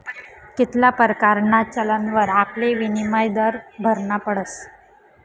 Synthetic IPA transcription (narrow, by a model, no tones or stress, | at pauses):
kit̪lapəɾkaɾɳat͡ɕələnʋəɾapleʋinimajd̪əɾbʱəɾɳapəɽəs